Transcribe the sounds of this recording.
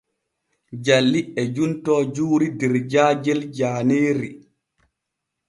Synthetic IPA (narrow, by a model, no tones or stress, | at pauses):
d͡ʒalːiʔɛd͡ʒuntɔːd͡ʒuːɾidɛɾd͡ʒaːd͡ʒɛld͡ʒaːneːɾi